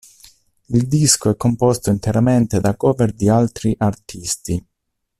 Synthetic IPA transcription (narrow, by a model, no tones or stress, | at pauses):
ild̪iskoɛkːompɔst̪oint̪eɾament̪ed̪akɔːverd̪ialt̪ɾiʔart̪ʰist̪i